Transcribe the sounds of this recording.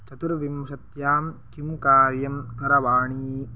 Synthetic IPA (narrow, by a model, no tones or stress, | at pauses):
t͡ʃɐt̪uɾʋimʃɐt̪jaːmkimkaːɾjɐmkɐɾɐʋaːɳiː